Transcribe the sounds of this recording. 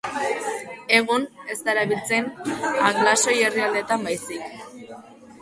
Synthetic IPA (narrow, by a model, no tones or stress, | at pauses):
e̞ɣune̞st̪aeɾaβilt͡se̞naɣlaso̞je̞riald̪e̞t̪ambajsik